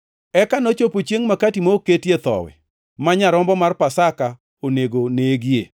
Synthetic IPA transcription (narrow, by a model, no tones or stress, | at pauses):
ɛkanot͡ʃopot͡ʃjeŋmakatimoketjet̪ɔ̰wɛ̰ | maɲaɾɔmbɔmarpasaka | oneɡoneɡjḛ